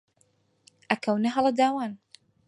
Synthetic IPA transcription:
ʔakawnaɦalad̪aːwaːn

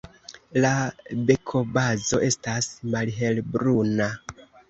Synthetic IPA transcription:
labe̞kʰo̞bazo̞ʔe̞stasmalɦe̞lbɾuna

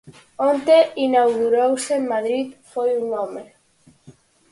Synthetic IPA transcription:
ont̪einawɣuɾowsemmaðɾit̪fojunome

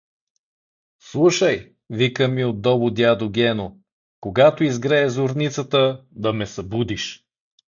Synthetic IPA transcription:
slˠuʃəj | vikəmiod̪ːɔbʊd̪ʲad̪oɡʲɛno | koɡat̪oizɡɾɛːzoɾnit̪sət̪əd̪ɐmɛsɐbud̪iʃ

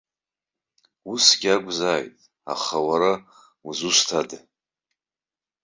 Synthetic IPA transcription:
usɡʲaɡʷʼzaːjtʼ | a̰χawaɾa | uzusʷtʰad

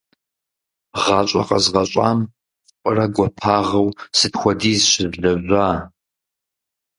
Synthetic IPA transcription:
ʁɑt͡ʃʼɐqɐzʁɐɕʷʼa̰ːm | qʷʼərɐɡʷɔpʰaːʁɐwsɨdxʷɔdiːzɕɪzɮɐʑʷaː

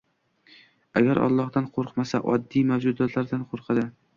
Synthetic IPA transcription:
aɡʲaɾʔɒ̰lˠːɒhd̪anqʰoɾqmasa̰ʔɒd̪ːijmawd͡ʒʊd̪at̪laɾd̪anqʰoɾqʰɨd̪ɪ

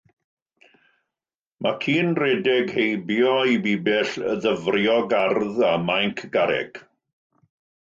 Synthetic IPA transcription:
mʔakʰiːnrɛdɛɡhejbjɔibiːbɛɬə̰ðəvrjɔɡarðamajŋkʰɡ̥aɾɛ̰ɡ̥

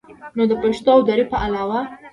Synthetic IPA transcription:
nod̪əpaʃt̪oawd̪aɾipəʔalɑwa

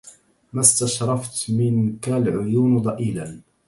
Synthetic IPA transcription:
mast̪aʃɾˤɑft̪mɪnkalʕʊjuːnd̪ˤɑʔiːlan

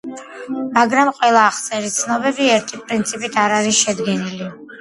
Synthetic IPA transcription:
maɡɾamqʼwɛlˠaːχt̪sʼɛɾit̪sʰnɔbɛbiɛɾt̪ʰipʼɾint̪sʰipʼit̪ʰaɾaɾisʃɛd̪ɡɛnili

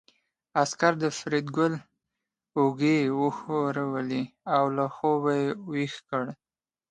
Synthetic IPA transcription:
askaɾd̪əfɾid̪ɡʊl | ʊɡewəxoɾawəliawlaxobajewixkəɽ

